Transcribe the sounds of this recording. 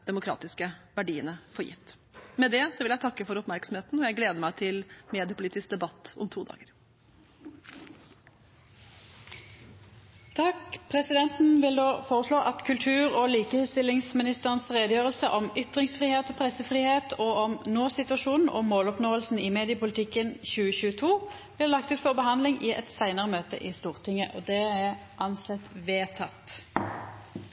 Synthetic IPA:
d̪̥ɛmʊkʰɾɑ̰ːt̪ɪskəʋæɖiːənəfɔɾjɪ̰t̪ː | mɛd̪ɛsɔʋɪljæɪt̪ʰɑkːəfɔɾʊpmæɾksɔm̩heːt̪n̩ɔjæɪɡleːd̪əmæɪt̪ʰɪlmeːd̪ɪəpʰʊliːt̪ɪsk̚d̪ɛbɑt̪ːɔ̰mt̪ʰuːd̪ɑ̰ːɡəɾ | t̪ʰɑkpʰʁɛsɪd̪ɛnt̪n̩ʋɪld̪oːfoːʁəsloːʔɑt̪kʰʉlt̪ʰʉːʁoːliːkəhɛst̪ɪlːɪŋsmɪnɪst̪əʁənsʁeːd̪əjøːʁəlsəʔɔmʏt̪ʁɪŋsfʁiːheːt̪ɔːpʰʁɛsəfʁiːheːt̪ʰoːɔmnoːsɪt̪ʉɑʃuːnn̩ʔɔ̰moːlɔpnoːəlsn̩ɪːmeːd̪ɪəpʊlɪt̪ʰɪkːənçʉːəçʉːət̪ʰuː | b̥lɪːʁlɑk̚t̪ʉːt̪fɔʁbəhɑnd̪lɪŋʔɪʔɛ̰t̪sæɪnəʁəmøːt̪ə̰ʔɪːst̪uːʁt̪ʰɪŋːəʔod̪ɛæʁʔɑnsɛt̪ʋeːt̪ʰɑt̪

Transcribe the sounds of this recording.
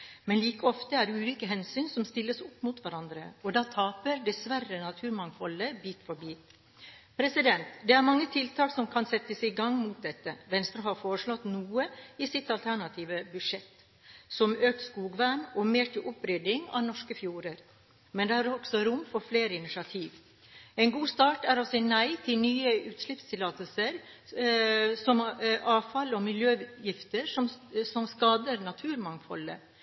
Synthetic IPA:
mɛnliːkəɔft̪əæɾʉːliːkəɦɛnsyːnsɔmst̪ɪlːəsʊpːmut̪ʋæɾɑnd̪ɾə̰ɔd̪ɑːt̪ʰɑːpəɾd̪ɛsʋærənɑt̪ʰʉːɾmɑŋfɔləbiːt̪fɔɾbiː | pʰɾɛsɪd̪ɛnt̪d̪ɛæɾmɑŋːət̪ʰɪlt̪ʰɑːksɔmkʰɑnsɛt̪ːəsɪɡɑŋːmut̪̚d̪ɛt̪ːəʋɛnst̪ɾəɦɑɾfoːɾəʂɭɔt̪nuːəɪsɪt̪ɑlt̪ʰæɳɑt̪ʰiːʋəbʉʂɛt̪ | sɔmøːk̚t̪skuːɡʋænɔmeːʈʰɪʔɔpɾʏd̪ɪŋɑ̰nɔʂkəfjuːɾəɾ | mɛnd̪ɛæɾɔɡsɔɾʊmːfɔɾfleːɾəɪnɪʂɑt̪ʰiːʋ | ɛɪnɡuːst̪ɑːʈæɾɔsɛnæɪt̪ʰɪlnyːəʉːt̪slɪpst̪ʰɪlɑːt̪əlsəɾ | sɔmʔɑːʋfɑlɔmɪljøːjɪft̪əɾʂɔmsɔmskɑːd̪əɾnɑt̪ʰʉːɾmɑŋfɔ̰lːə̰

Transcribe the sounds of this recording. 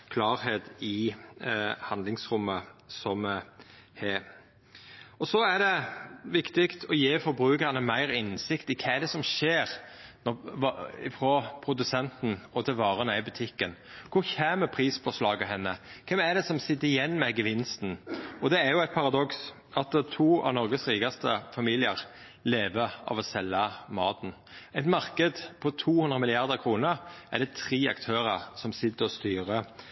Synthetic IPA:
kʰlɑːɾheːt̪ɪ | hɑnd̪lɪŋsɾʊmːəsɔm | heː | ɔsɔæd̪ɛʋɪkt̪ɪkt̪ʰɔjeːfɔɾbɾʉːkəʁnəmæɪɾɪnsɪkt̪ɪkʰɛæd̪ɛsɔmʃeːɾnɔɪfɾɔpʰɾʊd̪ʉsɛnt̪n̩ɔt̪ʰɪlʋɑːɾənæɪbʉt̪ʰɪkːən | kʰʊɾçæːməpʰɾiːsfɔʂlɑːɡəɦɛnːəkʰɛmæd̪ɛsɔmsɪt̪ːəɾɪjɛnːmɛɡəʋɪnst̪n̩ɔd̪ɛæɾjʊæɪt̪̚pʰɑɾɑd̪ɔks | ɑt̪̚t̪ʰuːɑ̰ʋnɔɾɡəsɾiːɡɑst̪əfɑmiːlɪəɾ | leːʋəɑ̰ʋɔsɛlːɑmɑːt̪n̩ʔɛɪt̪mɑʁkəd̪pʰɔt̪ʰuːhʉnd̪ʁəmɪlɪɑʁd̪əʁkʰɾuːnəɾʔæ̰ɾd̪ɛt̪ʰɾiːɑ̰kt̪ʰøːɾəʁsɔmsɪt̪ːəɔst̪yːʁə

